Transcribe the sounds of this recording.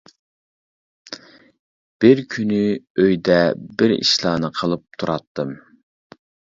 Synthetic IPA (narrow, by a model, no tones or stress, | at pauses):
b̥ɪɾkʲʰynyøjd̪ɛbɪɾḭʃlˠɑːnɨqʰəlˠɨp̚t̪ʰuɾɑt̪ːɨm